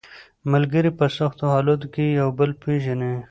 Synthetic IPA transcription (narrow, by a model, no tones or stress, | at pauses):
malɡəɾipəsaxt̪ohɑlat̪̬okejawbəlpeʒane